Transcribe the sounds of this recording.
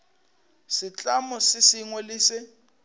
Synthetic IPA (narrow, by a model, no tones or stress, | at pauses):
sɪt͡ɬʼamɔsɪsiŋwɛliːsɪ